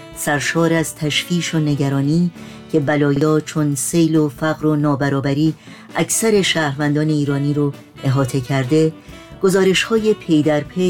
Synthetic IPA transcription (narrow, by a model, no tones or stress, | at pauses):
sæɾʃɒːɾæzt̪ʰæʃfiːʃone̞ɟæɾɒːniː | cʰe̞bælɒːjɒːt͡ʃʰo̞nse̞jlofæɣɾo̞nɒːbæɾɒːbæɾiː | ʔæcʰsæɾe̞ʃæːɾvænd̪ɒːne̞iːɾɒːniːɾo | ʔe̞ɦɒːt̪ʰe̞cʰæɾd̪e̞ | ɡ̥o̞zɒːɾe̞ʃhɒːje̞pʰe̞jd̪æɾpʰe